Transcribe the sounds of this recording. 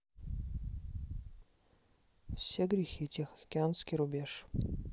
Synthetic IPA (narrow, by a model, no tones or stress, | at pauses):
fsʲeɡɾʲɪxʲitʲʰexɐkʲɪanskʲiɾʊbʲeʂ